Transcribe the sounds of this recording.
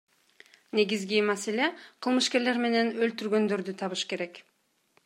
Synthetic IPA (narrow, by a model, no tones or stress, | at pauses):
ne̞ɡizɡimase̞le̞qʰɯlˠmɯʃke̞ɾle̞ɾme̞ne̞nølt̪yɾɡø̞nd̪ø̞ɾd̪yt̪ʰɑβɯʃke̞ɾe̞k